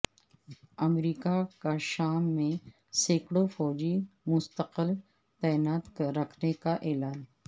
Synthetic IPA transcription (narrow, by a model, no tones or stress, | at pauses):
ɐmɾiːkakaʃaːmːẽ | seːkɽofɔːd͡ʒimʊst̪əqəl | t̪ɛːnaːt̪kɾɐkʰnekaʔeːlaːn